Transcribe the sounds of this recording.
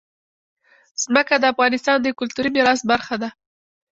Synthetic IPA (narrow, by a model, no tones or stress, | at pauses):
z̥məkad̪əafɣɑnɪst̪ɑnd̪əkʊlt̪uɾimɪɾɑs̬̚baɾxad̪a